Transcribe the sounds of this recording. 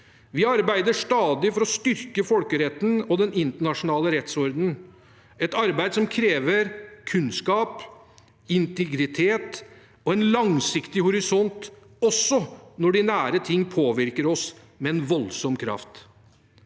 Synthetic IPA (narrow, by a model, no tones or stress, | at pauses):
ʋɪɑɾbæɪd̪əʂt̪ɑːd̪ɪfɔɾɔst̪ʏɾkəfɔlkəɾɛt̪ːn̩ɔd̪ɛnɪnt̪əɳɑʂʊnɑːləɾɛt̪sɔɾd̪n̩ | ɛt̪ɑɾbæɪd̪sɔmkʰɾeːʋəɾkʰʉnskɑːp | ɪnt̪ɛɡɾɪt̪ʰeːt̪ | ɔɛnlɑŋsɪkt̪ɪhʊɾɪsɔnt̪ | ɔsːɔnɔɖɪnæːɾət̪ʰɪŋːpʰoːʋɪɾkəɾɔs | mɛɛnʋɔlsɔmkʰɾɑ̰ft̪